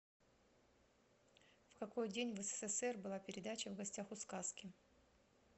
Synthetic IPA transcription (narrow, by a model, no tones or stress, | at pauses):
fkɐko̞jdʲenʲvəsə̥sɛsɛrbɨlˠapʲɪɾʲɪd̪at͡ɕəvɡɐsʲtʲaxʊskaskʲɪ